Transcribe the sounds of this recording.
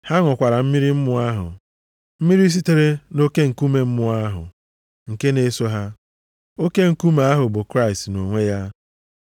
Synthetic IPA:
ha˦ŋʷʊ˨kʷa˨ɾa˨m̩˦mi˦ɾi˦m̩˦mʊ˨a˦ɦʊ̰˨ | m̩˦mi˦ɾi˦s̬i˦te˦ɾe˦no˦ke˦ŋ̩˨ku˦me˦m̩˦mʊ˨a˦ɦʊ̰˨ | ŋ̩˨ke˦ne˦so˦ɦa˦ | o˦ke˦ŋ̩˨ku˦me˨a˦ɦʊ˨bʊ˨kɾa˦ɪ˨stno˨ŋʷe˦ja˦

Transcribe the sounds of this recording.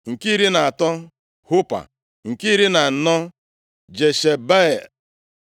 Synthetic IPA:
ŋ̩˨ki˦ɾi˦na˨a˨tɔ˦ | hʊ˦pa̰˨ | ŋ̩˨ki˦ɾi˦na˨n̩˨nɔ˦ | d͡ʒe˨ʃe˨ba˦e˨l

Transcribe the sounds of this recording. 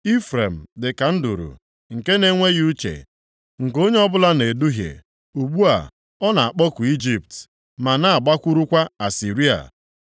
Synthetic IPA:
i˦fɾe˨m̩˨dɪ˨ka˨n̩˦dṵ˨ɾṵ˨ | ŋ̩˨ke˦ne˦ŋʷe˦ju˦t͡ʃḛ˨ | ŋ̩˨ko˦ɲe˦ɔ˦bʊ˦la˦ne˨du˦ɦjḛ˨ | u˨ɡ͡bu˦a̰˨ | ɔ˦na˨a˨k͡pɔ˦kʷu˨i˦d͡ʒi˨p̚t | ma˨na˨a˨ɡ͡ba˦kʷu˦ɾu˦kʷa˦a˨si˨ɾi˦a̰˨

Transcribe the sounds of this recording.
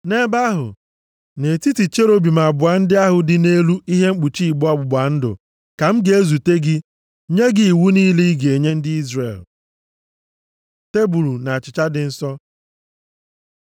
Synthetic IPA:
ne˦ba˦ɦʊ̰˨ | ne˨ti˦ti˨t͡ʃe˦ɾo˦bi˨ma˨bʊ˨a˨n̩˦dɪ˦a˦ɦʊ˨dɪ˨ne˦lu˦i˦ɦe˦ŋ͡m̩˦k͡pu˨t͡ʃi˦i˨ɡ͡bɔ˦ɔ˦bʊ˨bʷa˨n̩˦dʊ̰˨ | ka˨m̩˦ɡe˨e˦zu˨te˦ɡɪ˦ | ɲe˦ɡɪ˦i˨wu˦ni˦li˦ɡe˨ɲe˦n̩˦dɪ˦i˦zrḛ˨l | te˦bu˨ɾu˨na˨a˨t͡ʃɪ˨t͡ʃa˦dɪ˨n̩˦sɔ˦

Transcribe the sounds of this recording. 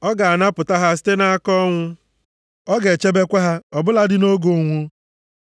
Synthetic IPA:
ɔ˦ɡa˨a˨na˦pʊ˨ta˦ɦa˦s̬i̥˦te˦na˦a˦kɔ˦ŋʷʊ˦ | ɔ˦ɡe˨t͡ʃe˦be˦kʷa˦ɦa˦ɔ˨bʊ˦la˦dɪ˦no˦ɡo˨ŋʷu˦

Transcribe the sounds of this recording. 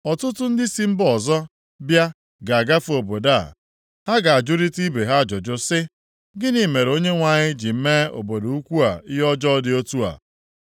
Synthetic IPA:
ɔ˨tʊ˦tʊ˦n̩˦dɪ˦si˦m̩˦bɔ˨zɔ˦ | bja˦ | ɡa˨a˨ɡa˦fo˨bo˨da˦˨ | ha˦ɡa˨a˨d͡ʒʊ˦ɾi˦ti˦be˨ɦa˦˨d͡ʒɔ˨d͡ʒʊ˦sɪ˦ | ɡɪ˦ni˨˦me˨ɾo˦ɲe˦ŋʷa˨ɲɪ˦d͡ʒi˨m̩˦me˦o̰˨bo˨do˨u˦kʷu˦a˨ɪ˦jɔ˦d͡ʒɔ˦dɪ˦o˦tu˦a̰˨

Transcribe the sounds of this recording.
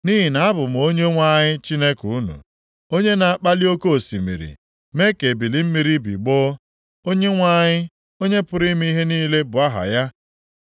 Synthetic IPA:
ni˦ɦi˨na˨a˦bʊ˨m̩˨o˦ɲe˦ŋʷa˦˨ɲɪ˦t͡ʃi˦ne˦ku˨u˦nṵ˨ | o˦ɲe˦na˨a˦˨k͡pa˦li˦o˦ko˦o˨sḭ˨mḭ˨ɾḭ˨ | me˦ke˨bi˨li˨m̩˦mi˨ɾi˦bḭ˨ɡ͡bɔ˦ | o˦ɲe˦ŋʷa˦ɲɪ˦ | o˦ɲe˦pʊ˨ɾi˦m˦i˦i˦ɦe˦niː˦le˦bʊ˨a˦ɦa̰˨ja˦

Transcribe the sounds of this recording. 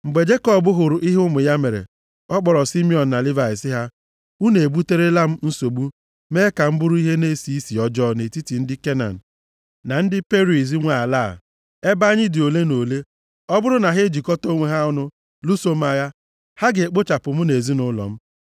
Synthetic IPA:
ŋ͡m̩˨ɡ͡be˨d͡ʒe˦kɔ˦˨bʊ˦ɦʊ˨ɾʊ˨ʔi˦ɦʊ˦mʊ˨ja˦me˨ɾḛ˨ | ɔ˦k͡pɔ˨ɾɔ˨si˦mi˦ɔ˨n̩ː˨a˨li˦va˨ɪ˨sɪ˦ɦa˦ | u˦ne˨e˨bu˦te˦ɾe˦la˦m̩˦n̩˦so˨ɡ͡bu˦ | me˦ka˨m̩˦bʊ˦ɾʊ˦i˦ɦe˦ne˦˨si˦i˦si˨ɔ˦d͡ʒɔ˦ne˨ti˦ti˨n̩˦dɪ˦ke˦na̰˨n̩˨ | na˨n̩˦dɪ˦pe˦ɾi˨s̬i˦ŋʷa˨a˨laː˦˨ | e˦ba˦ɲɪ˦dɪ˨o˨le˦no˨le˦ | ɔ˦bʊ˦ɾʊ˦na˨ɦe˦d͡ʒi˨kɔ˦to˦ŋʷe˨ɦa˦ʊ˦nʊ˦ | lu˦so˦m̩˦a˨ja˦ | ha˦ɡe˨k͡po˦t͡ʃa˨pʊ˨m̩˦ne˨zi˦nʊ˦lɔ̰˨m̩˦

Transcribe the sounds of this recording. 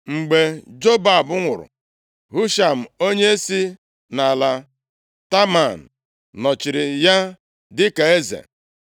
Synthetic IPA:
ŋ͡m̩˨ɡ͡be˨d͡ʒo˦ba˨bʊ˦ŋʷʊ˨ɾʊ̰˨ | ɦu˦ʃa˨m̩˨o˦ɲe˦e˦si˦ | na˨la˨ | ta˦ma˨n̩˨ | nɔ˨t͡ʃɪ˨ɾɪ˨ja˦ | dɪ˦ka˨e˦zḛ˨

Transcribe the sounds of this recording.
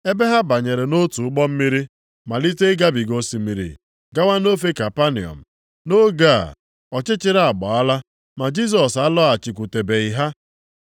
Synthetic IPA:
e˦be˦ɦa˦ba˨ɲe˨ɾe˨no˦tu˨ʊ˦k͡pɔ˦m̩˦mi˦ɾi˦ | ma˨li˦te˦ɡa˦bi˨ɡo˦si˨mi˦ɾḭ˨ | ɡa˦wa˦no˦fe˦ka˨pa˦nḭ˨ɔ̰˨m̩˨ | no˦ɡa̰˦˨ | ɔ˨t͡ʃɪ˦t͡ʃɪ˦ɾa˨ɡ͡bɔ˨a˦la˦ | ma˨d͡ʒi˦s̬ɔ˨sa˦lɔ˦a˨t͡ʃi˨k̬ʷu˨te˨be˨i˨ɦa˦

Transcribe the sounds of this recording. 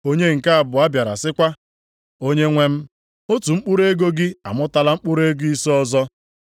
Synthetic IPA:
o˦ɲe˦ŋ̩˨ka˦a˨bʊ˨a˦bja˨ɾa̰˨sɪ˦kʷa˦ | o˦ɲe˦ŋʷe˦m̩˦ | o˦tu˨ŋ͡m̩˦k͡pu˦ɾe˦ɡo˦ɡɪ˦a̰˨mʊ˦ta˨la˦ŋ͡m̩˦k͡pʊ˦ɾe˦ɡʊ˦i˦sɔ˦zɔ˦

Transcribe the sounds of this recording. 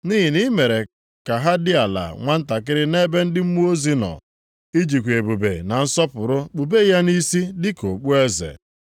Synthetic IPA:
niː˦ɦi˨ni˦me˨ɾe˨ | ka˨ɦa˦dɪ˦a˨la̰˨ŋʷa˦n̩˦ta˨kɪ˦ɾɪ˦ne˦be˦n̩˦dɪ˦m̩˦mu˦o˦zi˦nɔ̰˨ | i˦d͡ʒi˨kʷe˨bu˨bḛ˨na˨n̩˦sɔ˦pʊ˨ɾʊ˦k͡pu˨be˦ja˦ni˦si˦dɪ˦ko˨k͡pu˦e˦zḛ˨

